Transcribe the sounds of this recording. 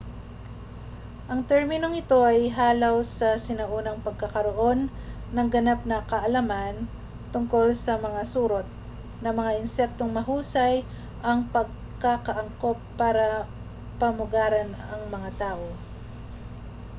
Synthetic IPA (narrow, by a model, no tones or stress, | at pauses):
ʔɐŋt̪ɛɹmɪno̞ŋɪt̪o̞ʔɐjɦaːlawsɐsɪnɐʔuːnɐŋpɐɡ̚kɐkɐɾoʔo̞nː | ɐŋɡɐnap̚nɐkɐʔɐlɐman | t̪ʊŋko̞lsɐmɐŋasuːɾot̪̚ | nɐmɐŋaʔɪnsɛk̚t̪o̞ŋmɐɦuːsɐj | ʔɐŋpɐɡ̚ | kakɐʔɐŋko̞pːaːɾɐ | pɐmʊɡaːɾɐnɐŋmɐŋat̪aːʔo̞